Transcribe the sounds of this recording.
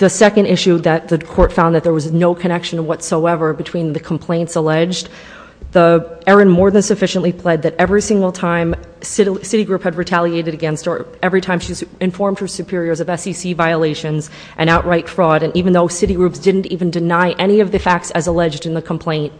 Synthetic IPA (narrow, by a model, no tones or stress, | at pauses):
ðɨsɛkɨ̃ndɪʃʉðɨt̪̚ðɨkʰɔɹtfãʊ̃nðɨt̪̚ðə˞wʌznoʊkʰɨñɛkʃɨ̃nʌwʌtsoʊɛvə˞bɨtʰw̥ĩnðɨkʰm̩pʰl̥ẽɪ̃ntsəlɛd͡ʒ | ðiɛɹɨ̃nmɔɹðɨ̃nsɨfɪʃɨ̃n̩ʔlipʰl̥ɛd̪̚ðɨɾɛvɹisɪ̃ŋɡl̩ˠtʰãɪ̃m | sɪɾsɪɾiɡɹʉphɨd̚ɹɨtʰælˠieɪɾɨɾɨɡɛ̃nstə˞ɛvɹitʰãɪ̃mʃiɨ̃ɱfɔɹmd̚hə˞sʉpʰɪɹiə˞zʌvɛsisivaɪəleɪʃɨ̃nz | ʔɨ̃ɾ̃aʊʔɹaɪtfɹɔɾɨ̃nʔivɨ̃n̩ðoʊsɪɾiɡɹʉpsd̥ɪdⁿn̩tiṽn̩dɨnaɪʔɛñiʌvðɨfæk̚tsɨzəlɛd͡ʒdɨ̃nðɨkʰm̩pʰl̥ẽɪ̃nt̚